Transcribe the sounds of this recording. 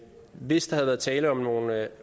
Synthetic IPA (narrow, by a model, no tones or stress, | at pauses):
ʋe̝sd̥ɑ̈hæðˠʋæɐð̩ˠt͡sʰɛːləɒ̽mno̝ːn